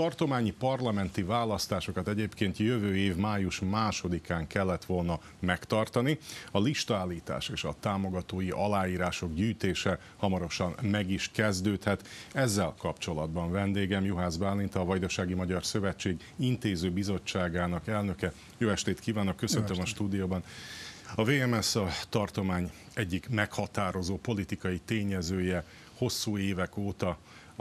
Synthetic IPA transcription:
t̪ɒrt̪o̞maːɲipɒrlɒmɛnt̪ivaːlɒst̪aːʃo̞kɒt̪ɛɟeːpkeːnt̪jøvøːeːvmaːjuʃmaːʃo̞d̪ikaːŋkɛlːɛt̪ʋo̞lnɒ | mɛkt̪ɒrt̪ɒniɒliʃt̪ɒaːlːiːt̪a̰ːʃeːʃɒt̪aːmo̞ɡɒt̪oːjiʔɒlaːjiːɾaːʃo̞ɡɟyːt̪eːʃɛ | hɒmɒɾo̞ʃɒnmɛɡiʃkɛzd̪øːt̪hɛt̪ɛzːɛlkɒpt͡ʃo̞lɒd̪bɒɱvɛnd̪eːɡɛmjuɦaːzbaːlːint̪ɒːvɒjd̪oʃaːɡimɒɟɒrsø̞vɛt͡ʃːeːɡ | int̪eːzøːbizo̞t͡ʃːaːɡaːnɒkɛlnøkɛ | joːɛʃt̪eːt̪kiːvaːno̞kːøsønt̪ømɒʃt̪uːd̪ijoːbɒn | ɒveːɛmɛsɒt̪ɒrt̪o̞maːɲɛɟːikmɛkhɒt̪aːɾo̞zoːpo̞lit̪ikɒjit̪eːɲɛzøːjɛ | ho̞sːuːeːvɛkoːt̪ɒ

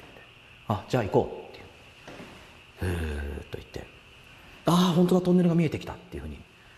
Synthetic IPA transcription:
e̥t̪ːe | ad͡ʑaːiko̞̰ːt̪ːejɯ | ɯt̪ːo̞̰ḭt̪ːe̞̰ | ahont̪onat̪õ̞nːe̞ɾɯ̟ɡamʲie̞t̪ekʲi̥t̪at̪ːe̞jiɯ̟hɯ̟ːɲ̟i

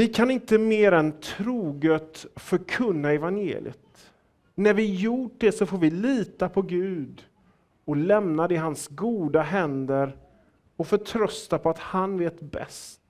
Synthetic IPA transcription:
vɪkʰanɪnt̪əmeːɾɛnt̪ʰɾuːɡœt̪fœɾkʰɵnːaɛvanjḛːlɪ̰ə̰t̪ | næɾvɪjuʈ̚ɖɛsɔfoːɾvɪliːt̪apʰɔɡʉ̟ːd̪ | ɔlɛmnad̪ɛɦansɡuːd̪aɦɛnd̪əɾ | ɔfœʈʰɾœst̪apʰɔat̪hanveːt̪bɛ̰st̪

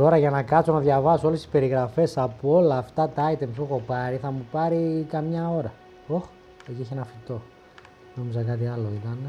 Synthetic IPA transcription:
t̪o̞ɾɐʝɐnɐkɐsonɐðʝɐvɐsoolesi̥spe̞ɾiɣɾɐfe̞sɐpuo̞lɐːft̪ɐt̪ɐɐjt̪emsuxo̞pɐɾiθɐmupɐɾikɐmɲɐo̞ɾɐ | ox | eciçenɐfit̪o̞ | nomizɐkɐt̪iɐlo̞it̪ɐne

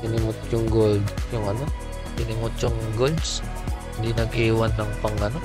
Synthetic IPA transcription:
ɪnɪŋʊt̪̚t͡ʃʊŋɡoldjʊŋɐno | ɪnɪŋʊt͡ʃʊŋɡold̪s | nd̪inɐɡiwanːɐŋpɐŋɐno

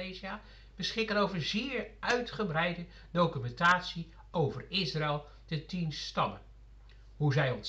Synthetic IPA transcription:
eziaː | b̥əsχɪkənowvəɹzɪːɹʔœɥtχəbrɛjdə | dowkymɛntaːtsi | owvərɪsraɛlˠ | dətinstɑmən | ɦuzɛjɔns

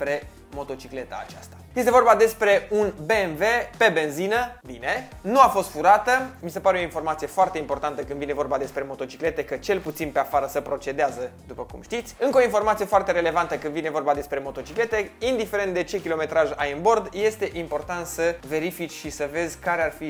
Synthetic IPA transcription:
spɾe̞ | mo̞t̪o̞t͡ʃikle̞t̪a̰a̰t͡ʃast̪ḁjest̪e̞vo̞rbad̪e̞spɾe̞unbe̞ːnve̞pe̞be̞nzinəbine̞ | nuafo̞st̪fuɾat̪əmisepaɾeo̞info̞rmat̪sije̞foart̪e̞impo̞rt̪ant̪əkɨnd̪vine̞vo̞rbad̪e̞spɾe̞mo̞t̪o̞t͡ʃikle̞t̪e̞kət͡ʃe̞lput̪sinpe̞afaɾəsəpɾo̞t͡ʃe̞d̪eazəd̪upəkṵmʃt̪it̪sʲɨŋkəo̞info̞rmat̪sije̞foart̪e̞ɾe̞le̞vant̪əkɨnd̪vine̞vo̞rbad̪e̞spɾe̞mo̞t̪o̞t͡ʃikle̞t̪e̞ind̪ife̞ɾent̪d̪e̞t͡ʃe̞kʲilo̞me̞t̪ɾaʒajɨnbo̞rd̪je̞st̪e̞ʔimpo̞rt̪ant̪səve̞ɾifit͡ʃʲʃisəve̞zʲkaɾearfi

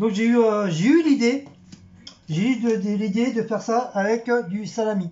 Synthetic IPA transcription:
d̪ɔ̃kʒeyøʒeylid̪e | ʒeyd̪əd̪əlid̪ed̪əfɛʁsaavɛkd̪ysalami

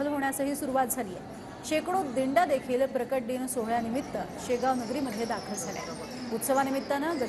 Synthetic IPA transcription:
əlɦoɳjasəɦiːsuɾuʋat̪̚d͡zʱaliːjɛ̰ | ɕekɽ̃od̪iɳɖad̪ekʰiːlpɾəkəʈ̚ɖiːnsoɦɭjanimit̪ːəɕeɡaʋnəɡɾiːməd̪ʱːjed̪akʰəld͡zʱalja̰ | ut̪səʋanimit̪ːanad͡zə

